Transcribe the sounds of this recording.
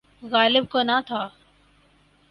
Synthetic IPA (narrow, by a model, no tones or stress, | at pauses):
ɣaːlɪb̚konat̪ʰaː